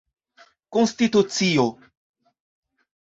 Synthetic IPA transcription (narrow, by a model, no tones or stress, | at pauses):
konst̪it̪ut͡sio